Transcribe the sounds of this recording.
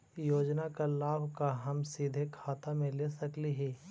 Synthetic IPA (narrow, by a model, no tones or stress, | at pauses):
joːd͡ʒnakalaːbʱkaɦɐmsiːd̪ʱekʰaːt̪amẽleːsɐkliɦɛː